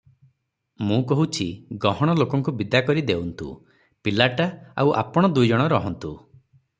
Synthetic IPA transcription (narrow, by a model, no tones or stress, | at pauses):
mũkɔɦut͡ʃʰiɡɔɦɔɽ̃ɔlokɔŋkubid̪akɔɾid̪ewnt̪ṵ | pilaʈaa̰wʔa̰pɔɽ̃ɔd̪ujd͡ʒɔɽ̃ɔɾɔɦɔnt̪u